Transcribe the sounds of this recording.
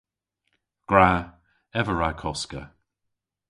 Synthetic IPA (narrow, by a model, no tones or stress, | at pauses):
ɡ̥ɹa | ɛvəɹakʰɔskə̰